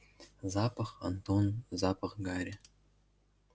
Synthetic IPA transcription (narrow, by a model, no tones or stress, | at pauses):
zɑpɑχa̰nt̪onzɑpɑχɡɑɾʲe